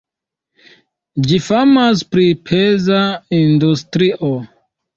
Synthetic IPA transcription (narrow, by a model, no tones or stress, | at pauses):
d͡ʒifamaspɾipʰezaindustɾiʔo